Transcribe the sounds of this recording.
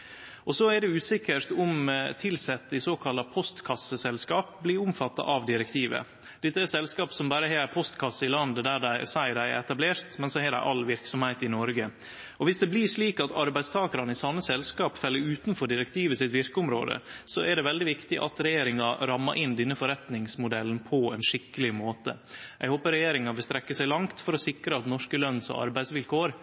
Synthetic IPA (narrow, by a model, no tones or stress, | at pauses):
ɔsɔæɖɛʉːsɪkːəɾt̪ʊmt̪ʰɪlsɛt̪ːɪsoːkʰɑlːɑpʰɔst̪kʰɑsəsɛlskɑːp̚blɪːɾʊmfɑt̪ːɑ̰ʔɑʋd̪ɪɾɛk̚t̪ʰiːʋə̰ | d̪̥ɪt̪ːəɛsɛlskɑːpsɔmbɑɾəɦɛpʰɔst̪kʰɑsːəɪlɑnd̪əd̪æɖæɪsæɪd̪æɪ̰ɾɛt̪ɑbleːɾt̪mɛnsɔhɛɖæ̰ɪʔɑlʋɪɾksɔmhæɪt̪ɪnɔɾɡə | ɔʋɪsd̪ɛbliʂliːkɑt̪ʰɑɾbæɪst̪ʰɑːkɑɾɑnɪsɑnːəsɛlskɑːpfɛlːəɾʉːt̪n̩fɔɖɪɾɛkt̪ʰiːʋəsɪt̪ʋɪɾkəʊmɾo̰ːd̪ə̰sɔʔæɖɛʋɛld̪ɪʋɪkt̪ɪʔɑ̰t̪ɾɛjeːɾɪŋɑɾɑmːɑʔɪnd̪ɪnːəfɔɾɛt̪nɪŋsmʊd̪ɛlnpʰɔɛ̰nʂɪkːəlɪmoːt̪ə | jæ̰ɪɡhoːpəɾɛjeːɾɪŋɑʋɪlst̪ɾɛkːəsæɪlɑŋt̪fɔɾɔsɪkɾəɑt̪nɔʂkəlœnːsɔ̰ʔɑ̰ɾbæɪsʋɪlkʰoːɾ